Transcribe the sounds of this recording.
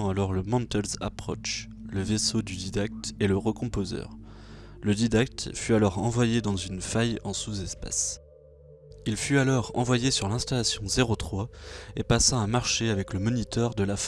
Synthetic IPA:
alɔʁləmɑ̃t̪ɛlza̰pχɔ̰ʃ | ləvesod̪yd̪id̪ak̚t̪eləʁəkɔ̃pozœ̰ʁləd̪id̪ak̚t̪fyalɔʁɑ̃vwajed̪ɑ̃zynfajɑ̃suzɛspa̰s | ilfyalɔʁɑ̰̃vwajesyʁlɛ̃st̪alasjɔ̃zeʁot̪χwaepasaɛ̃ːmaʁʃeavɛkləmɔnit̪œʁd̪əlaf

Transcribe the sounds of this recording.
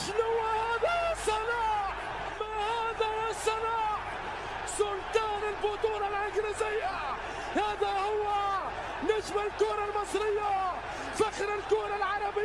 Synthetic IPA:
ʃnʊwːahaːd̪ajasɑnaːʕ | mahaːd̪ajasɑnaːʕ | sʊlt̪aːnɪlbʊt̪ˤuːɾalʔaɡɾɪzɪjːa | haːd̪ahʊwːa | nad͡ʒmalɪlkʊːɾˤalmɨsˤɾɪjːa | faxɾɪlkʊːɾˤalʕɑɾˤɑbɪ

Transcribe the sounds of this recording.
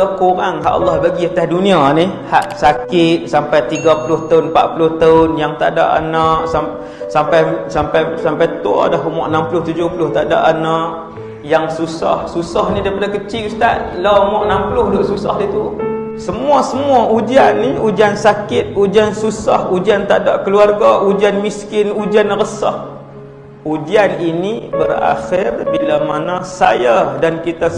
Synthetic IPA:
əkoɾaŋɦa̰ʔa̰lːɑhbaɡiat̪ahdunĩaniha̰ʔsakɪt̪̚sampajt̪iɡapulʊht̪aʊnpa̰ʔpulʊht̪aʊnjaŋt̪a̰ʔda̰ʔa̰naʔsa | sampajsampajsampajt̪ua̰daɦumɔ̰ʔənampulʊht̪ud͡ʒʊhpulʊht̪aʔda̰ʔanãʔ | jaŋsusɔ̰hsusahnidaipadakət͡ʃɪʔust̪aʔ̪̚laumɔʔənampulʊhdoʔsusɔ̰hdit̪u | səmuasəmuaʔud͡ʒianːiud͡ʒiansakɪt̪̚ud͡ʒiansusahud͡ʒiant̪aʔdaʔkəluarɡaʔud͡ʒianmiskɪnud͡ʒianɾəsɔ̰h | ud͡ʒianinibəra̰xɪrbilamanasajadankit̪a

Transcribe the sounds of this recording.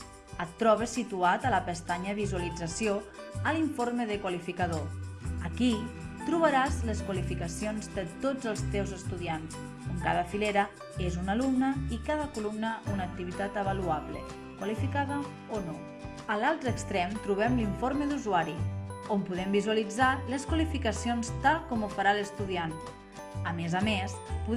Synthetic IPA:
ət̪ːɾɔβəsit̪uat̪ələpəst̪aɲəβizuəlid͡zəsio | əliɱfoɾməðəkwalifikəðoəkit̪ɾuβəɾazləskwalifikəsionzd̪ət̪od͡zəlˠst̪ewzəst̪uðians | oŋkaðəfileɾə | ezunalumnəikaðəkulumnəunək̚t̪iβ̞it̪at̪əβəluaβlə̰ | kwəlifikaðə | ono | əlalˠt̪ɾəkst̪ɾɛmt̪ɾuβ̞ɛmliɱfoɾməðuzuaɾiompuðɛmbizuəlid͡zaləskwəlifikəsionst̪alˠkɔmufəɾaləst̪uðian | əmezəmespu

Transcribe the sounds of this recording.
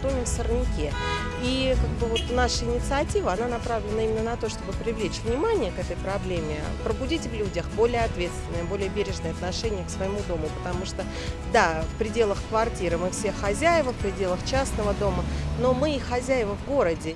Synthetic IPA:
t̪omʲɪmfsərnʲɪkʲe | ikaɡ̚bɨvo̞t̪naʂəɪnʲɪt̪sɨɐtʲivəɐnanɐpɾavlʲɪnəimɪnːənɐt̪o̞ʂt̪o̞bɨpɾʲɪvlʲet͡ɕvnʲɪmanʲɪjəkɛt̪əjpɾɐblʲemʲɪpɾəbʊdʲitʲvlʲudʲəxbo̞lʲɪjəɐt̪vʲe̞t̪st̪vʲɪnːəjəbo̞lʲɪjəbʲeɾʲɪʐnəjɐt̪nɐʂɛnʲɪjəksvəɪmud̪omʊpə̥t̪ɐmuʂt̪o | d̪afpɾʲɪdʲe̞lˠəxkvɐrtʲiɾɨmɨfsʲexɐzʲæjɪvəfpɾʲɪdʲe̞lˠəxt͡ɕasnəvəd̪o̞məno̞mɨxɐzʲæjɪvəvɡo̞ɾədʲɪ

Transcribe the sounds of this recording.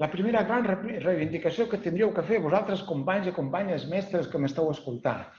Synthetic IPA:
ləpɾimeɾəɣɾanrrejβind̪ikasiokət̪ind̪iəwkəfeɾβuzalˠt̪ɾəskumpaɲzikumpaɲəzmɛst̪ɾəskəməst̪ɛwaskulˠt̪a̰

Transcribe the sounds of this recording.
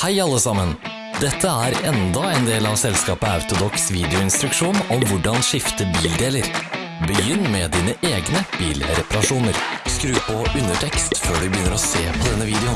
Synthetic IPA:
hæɪɑlːəsɑmən | d̪ɛt̪ʰːəæɾɛnd̪ɑɛnd̪eːlɑʋsɛlskɑːpəɑʉt̪ʊd̪ɔksʋiːd̪ɛʊɪnst̪ɾʉkʂuːnɔmʋʊɖɑnʂɪft̪əbiːld̪eːləɾ | bəjʏnːmɛd̪iːnəʔeːɡnəb̥iːlɾɛpɑɾɑʂuːnəɾskɾʉːpɔʉnːəʈʰɛkst̪føːɖʉbəjʏnːəɾɔseːpʰɔd̪ɛnːəʋiːd̪ɛʊn

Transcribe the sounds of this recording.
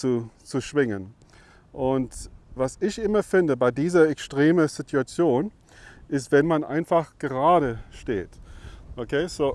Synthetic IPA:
t͡sut͡suʃv̥ɪŋən | ʔʊntvasɪçʔɪmɐfɪndəbaɪdiːzɐɛkstʁ̥eːməz̥ɪtʰuat͡sjoːn | ʔɪstv̥ɛnmanʔa̰ɪnfaχɡ̥əʁaːɾəʃtḛːtʔokʰeːz̥oː

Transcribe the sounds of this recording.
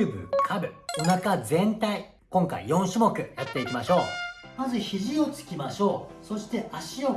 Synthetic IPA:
ɯbɯ̰kʰabɯ̟o̞nakad͡zẽ̞nt̪ai | kõ̞ŋka̰ḭjõ̞ɰ̃ɕimo̞kɯ̟jat̪ːe̞ikʲimaɕo̞ː | nazeçiʑio̞t͡sɨ̥kʲimaɕo̞ːso̞ɕi̥t̪e̞ʔaɕio

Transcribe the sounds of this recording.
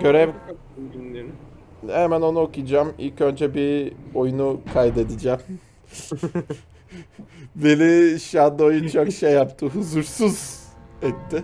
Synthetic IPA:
ɟ̥ø̞ɾɛvka | binlʲeɾi | hemæno̞nuokujd͡ʒamḭlʲcø̞nd͡ʒɛbio̞junukʰajd̪e̞d̪id͡ʒæm | belʲiʃad̪ɯo̞junt͡ʃʰokʃejːapt̪ʰɯɦuzuɾsuz̥ɛt̪ːɪ

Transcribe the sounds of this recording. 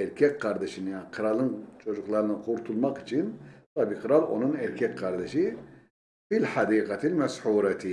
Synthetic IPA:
ɛɾkʲʰɛkʲqɑɾd̪ɛʃinjanqʰɯɾɑlˠɯnt͡ʃʰod͡ʒuqlˠɑɾɯnɯqʰuɾt̪ʰulˠmɑqi̥t͡ʃʰint̪ʰɑːbiqʰɨɾɑlˠo̞̰nunɛɾkʰɛkʲqʰɑɾd̪ɛʃi | filħɑd̪iːqɑt̪ʰilmɛsħuːɾat̪ʰi

